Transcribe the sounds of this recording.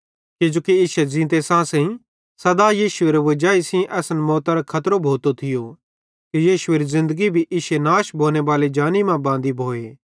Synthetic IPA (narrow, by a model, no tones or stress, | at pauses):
kid͡ʒoːkiɪːʃezĩːt̪̬esãːsɛ̃ĩ | sɐd̪aːjiːʃʊeːɾeʋɐd͡ʒaːisĩʔɛːsənmɔːt̪aɾokʰɐt̪ɾobʱoːt̪ot̪ʰɪjo | kijiːʃʊeːɾizɪ̃nd̪əɡibʱiʔɪʃenaːʃbʱoːneʋaːled͡ʒaːnimãbãːnd̪ibʱoːeː